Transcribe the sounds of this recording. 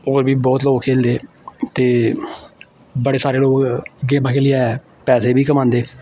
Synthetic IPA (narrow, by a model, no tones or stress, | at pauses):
oːɾbʱiːbɔːt̪loːkkʰeːld̪eː | t̪eː | bəɽeːsaːɾeːloːkɡẽːmãːkʰeːlɪa | pɛːseːbʱiːkəmãːnd̪eː